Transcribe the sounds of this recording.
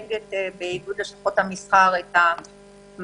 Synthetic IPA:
ɡet̪beiɡud̪leʃlḁχo̞t̪hamisχaʁet̪ha | m

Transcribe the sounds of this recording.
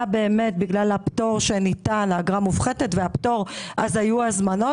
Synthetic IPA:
be̞ːme̞tbiɡlalapto̞ʁʃe̞nitanlaɡʁamufχetetveapto̞ʁʔazajuazmano̞

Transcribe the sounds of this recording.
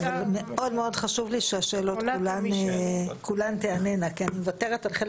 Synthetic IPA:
avalmeo̞dmeo̞dχaʃuvliʃeaʃeːlo̞t̪kulan | kulant̪eanenakianimevateʁetalχe

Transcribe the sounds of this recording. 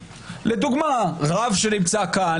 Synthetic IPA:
le̞d̪uɡmaʁavʃe̞nimt͡saka

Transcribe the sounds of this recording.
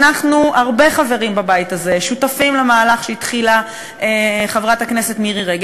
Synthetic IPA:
naχnuaʁbe̞χave̞ʁimbabajitaze̞ʃutafimlemaːlaχʃeitχila | eχavʁatakne̞se̞tmiʁiʁeɡ

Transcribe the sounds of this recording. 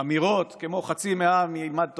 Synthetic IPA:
amiʁo̞t̪kemo̞χat͡simeamilmad̪̚t̪o

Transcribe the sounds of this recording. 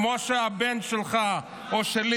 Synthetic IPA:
moʃeabenʃelχa | oʃeli

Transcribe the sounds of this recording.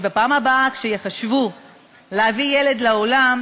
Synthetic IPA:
bapaːmabaakʃejeχaʃvu | leavije̞le̞dleo̞lam

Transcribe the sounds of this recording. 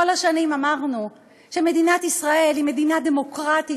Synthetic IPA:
olaʃanimamaʁnu | ʃe̞me̞dinat̪isʁae̞lime̞dinad̪e̞mo̞kʁat̪i

